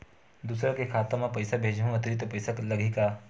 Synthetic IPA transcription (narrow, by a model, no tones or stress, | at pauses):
d̪uːsɾakekʰaːt̪amãpɐjsabʱeːd͡ʒɦũɐt̪ɾit̪opɐjsaklɐɡʱikaː